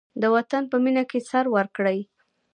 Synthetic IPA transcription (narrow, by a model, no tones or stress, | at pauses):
d̪əwat̪anpəminakesaɾwaɾkɽəj